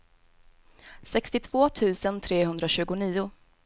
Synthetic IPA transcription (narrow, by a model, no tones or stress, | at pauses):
sɛkst̪ɪt̪ʰv̥oːt̪ʰʉ̟ːsənt̪ʰɾeːɦɵnd̪ɾaɕʉ̟ːɡʊniːʊ